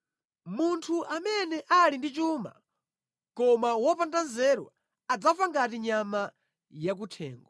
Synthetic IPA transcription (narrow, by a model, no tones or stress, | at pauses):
muntʰuʔamɛnɛʔalindit͡ʃuːma̰ | kɔmawɔpantanzɛɾwa̰ː | d͡zafaŋɡatiɲama | jak̬utʰɛ̰ːŋɡɔ